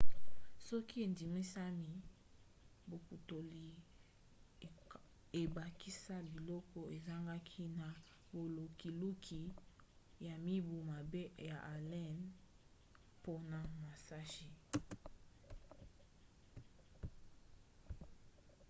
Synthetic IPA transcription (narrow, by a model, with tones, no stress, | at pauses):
sɔ˦ki˦e˨ndi˨mi˦sa˦mi˦ | bo˨ku˨to˨li˨ | e˨ba˨ki˦sa˦bi˨lɔ˦kɔ˦e˨za˦ŋɡa˦kʰi˦na˨ | bo˨lo˨ki˨lu˦kʰi˨ | ja˨mi˦bu˨ma˨be˦ja˨ʔa˨lɛ˦n | po˦na˨ma˨sa˦ʒi˨